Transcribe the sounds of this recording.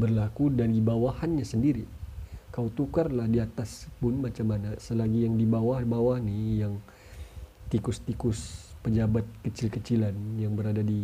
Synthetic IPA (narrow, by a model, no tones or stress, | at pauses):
bərlakudandibawahanɲasəndiɾikawt̪ukarlahdiat̪aspʊnmat͡ʃamanasəlaɡijaŋdibawahbawahnijaŋ | t̪ikʊst̪ikʊspəd͡ʒabat̪̚kət͡ʃɪlkət͡ʃilanjaŋbəɾadadi